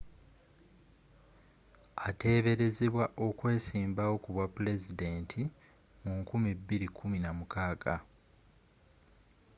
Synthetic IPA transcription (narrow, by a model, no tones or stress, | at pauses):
ate̞ːβe̞ɾe̞zeβwaʔo̞kwe̞ːsiːmbawo̞kuβwapule̞zide̞ːntʰi | muŋkumibːiɾikʰuminamukʰaːkʰa